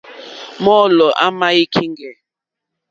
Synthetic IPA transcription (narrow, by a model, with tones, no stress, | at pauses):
mɔ˦˨lɔ˨ʔa̰˦ma˦i˦kʰi˦ŋɡɛ˨